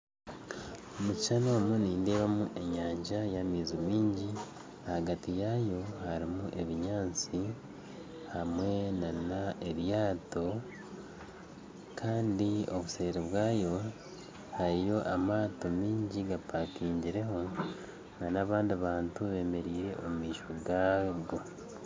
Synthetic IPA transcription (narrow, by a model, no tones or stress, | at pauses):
omuciʃanoːmuniːndeːβamuʔe̞ɲaːɲʒajamiːzimiːɲɟi | ahaɡatijajo̞haɾimuʔe̞βiɲaːnt͡si | hamwe̞nanaeβjaːto̞ | kʰaːndio̞̰βuse̞ːɾeβwaːjo̞ | haɾijo̞ʔamaːto̞miːɲɟiɡapakiːɲɟiɾe̞ɦo̞ | ŋɡanaβaːndiaβaːntuβe̞ːme̞ɾiːɾe̞ʔomumiːʃoɡaːɡo